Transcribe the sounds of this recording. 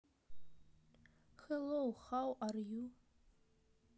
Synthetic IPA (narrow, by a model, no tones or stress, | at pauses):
xelowχawʔarju